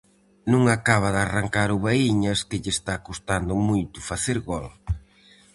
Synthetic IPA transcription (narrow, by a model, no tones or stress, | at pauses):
nũŋakaβ̞ɐðaraŋkaɾʊβaiɲɐskɪʎɪst̪akost̪and̪ʊmujt̪ʊ̥faθeɾɣɔl